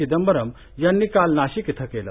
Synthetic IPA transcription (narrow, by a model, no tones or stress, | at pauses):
id̪ɐmbɐɾɐm | jɐnːikalnaɕikit̪ʰɐkelə